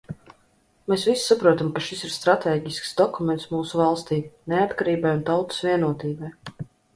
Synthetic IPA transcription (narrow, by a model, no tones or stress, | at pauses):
meːsvissapɾuɔt̪amkaʃisiɾst̪ɾat̪eːɡʲisksd̪ɔkumɛnt̪smuːsuvalˠst̪iːneat̪kaɾiːbajunt̪awt̪u̥svʲiɛnuɔt̪iːbaj